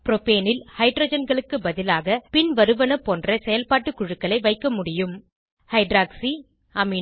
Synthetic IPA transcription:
pɪɾopeːnɪlhɐɪɖɾoːd͡ʒɐnɡɐɭɯkːɯbɐðɪlaːɣɐpɪnʋɐɾɯʋɐnɐpːoːndrɐsɛjɐlpaːʈːɯkːʊɻɯkːɐɭɐɪʋɐɪkːɐmʊɽɪjɯm | hɐɪɖɾaːksi | ʔɐmi

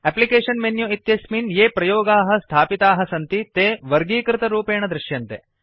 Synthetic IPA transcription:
ɛplikeːɕɐnmenjuit̪jɐsminjeːpɾɐjoːɡaːɦɐ̆st̪ʰaːpit̪aːɦɐ̆sɐnt̪it̪eːʋɐɾɡiːkɾɪt̪ɐɾuːpeːɳ̃ɐd̪ɾɪʃjɐnt̪ḛ

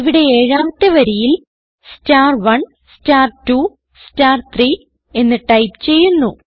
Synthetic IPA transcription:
ʋiɽe̞eːɻaːmt̪ːɨʋɐɾijil | staːrʋɐɳ | staːrtu | sstaːrt̪ri | e̞nːɨʈɐjpt͡ɕe̞jːunːu

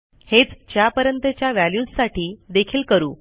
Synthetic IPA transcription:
het͡st͡ɕjapəɾjənt̪et͡ɕjaʋæljuːssaʈʰiːd̪ekʰiːlkəɾṵː

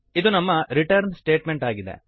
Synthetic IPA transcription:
id̪unɐmːɐɾiʈɐɾnsʈe̞ːʈme̞ɳʈaːɡid̪ḛ

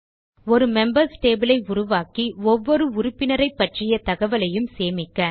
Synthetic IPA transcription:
ɔɾɯmɛmbɐɾsʈeːbɪlɐɪʊɾʊʋaːkiɔʋːɔɾɯʊɾʊpːɪnɐɾɐɪpːɐʈrɪjɐt̪ɐɣɐʋɐlɐjɯmseːmɪkːɐː

